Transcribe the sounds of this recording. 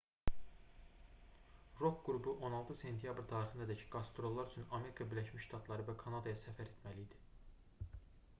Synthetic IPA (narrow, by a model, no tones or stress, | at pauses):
ɾo̞kɡ̥uɾubuʔo̞nɑlˠt̪ʰɯse̞nt̪ʰijɑbɾt̪ʰɑːɾixɯnd̪ɑd̪æcʰɡ̥ɑst̪ɾo̞lˠːɑɾyt͡ʃʰynɑme̞ɾikʰɑbiɾlæʃmiʃʃt̪ʰɑt̪ʰlˠɑɾɯvækʰɑnɑd̪ɑjɑsæfæɾe̞t̪mæliːd̪i̥